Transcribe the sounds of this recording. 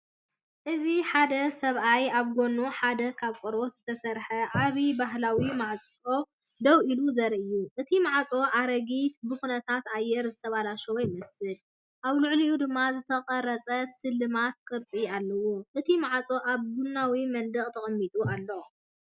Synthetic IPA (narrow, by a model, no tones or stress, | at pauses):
ʔɨziħad̪ɐsɐβʔajaβɡo̞nːuħad̪ɐkʰaβkʼoɾoszɨt̪ʰɐsɐɾħɐʕaβibaɦlawimaʕt͡sʼo̞ | d̪ɐwʔiluzɐɾʔɨjːuʔɨt̪ʰimaʕt͡sʼo̞ʔaɾɐɡit̪̚bɨxunɐt̪ʰat̪ajːɛɾzɨt̪ʰɐβalaʃɛwɔjmɐsɨl | ʔaβluʕlijud̪ɨmːazɨt̪ʰɐqʼɐɾɐt͡sʼɐsɨlːɨmat̪̚kʰʼɨɾt͡sʼialːɐwuʔɨt̪ʰimaʕt͡sʼo̞ʔaβbunːawimɐnd̪ɨχʼt̪ʰɐχʼɨmːit̪ʼualːo